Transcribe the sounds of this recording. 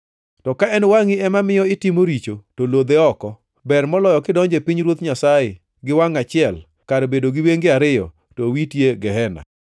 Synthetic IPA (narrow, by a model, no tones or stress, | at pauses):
tɔkaɛnwaŋɪɛmamɪjɔɪtɪmoɾit͡ʃotolod̪eɔkɔ | bɛrmɔlɔjɔkɪdɔɲd͡ʒepiɲɾwot̪ɲasaɪ | ɡɪwaŋat͡ʃɪɛl | kaɾbedoɡɪweŋɡɪaɾɪjɔ̰ | towitjeɡɛɦɛna̰